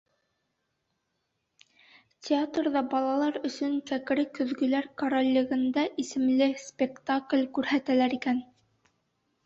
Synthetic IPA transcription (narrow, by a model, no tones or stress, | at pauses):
tʲʰeat̪rðɑbɑlˠɑlˠɑɾɵ̆sɵŋkæk̆ɾɘkɵ̆ðɡɵ̆læɾkoɾolʲːɘ̆ɣɘ̆nd̪æʔisɘ̆mlɘsʲpʲekt̪aklʲkʉɾhæt̪ælæɾikæn